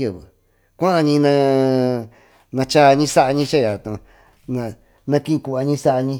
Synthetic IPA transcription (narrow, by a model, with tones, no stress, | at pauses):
ɨ˧˨βɨ̰˨ | kʷã˦ʔa˧ɲĩ˧nã˧ | nã˧t͡ʃa˦˧ɲĩ˦sa˦ʔa˧ɲĩ˧˦t͡ʃa˦˨ja˨t̪ũ˨˧ | nã˧ | nã˧kĩ˦˧ku˧˨a˧ɲĩ˦sa˦ʔa˧ɲĩ˧